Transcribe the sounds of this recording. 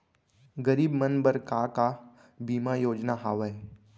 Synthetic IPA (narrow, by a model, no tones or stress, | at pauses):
ɡɐɾiːbmənbəɾkaka | biːmajoːd͡ʒnaɦaːʋəe